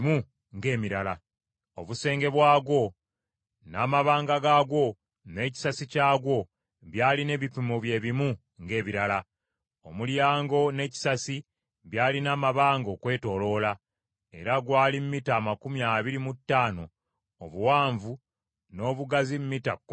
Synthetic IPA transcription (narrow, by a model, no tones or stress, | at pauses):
mu | ŋɡe̞ːmiɾala | oβuse̞ːŋɡe̞βwaːɡwo̞ | naːmaβaːŋɡaɡaːɡwo̞ | ne̞ːci̥sasicaːɡwo̞ | βjaːline̞ːβipimoβje̞ːβimu | ŋɡe̞ːβiɾala | o̞muljaːŋɡo̞ne̞ːci̥sasi | βjaːlinaːmaβaːŋɡoːkwe̞ːto̞lo̞la | e̞̰ɾaɡwaːlimːitaːmakumjaːβiɾimutːaːno̞ː | βuwaːɱvu | no̞ːβuɡazimmitak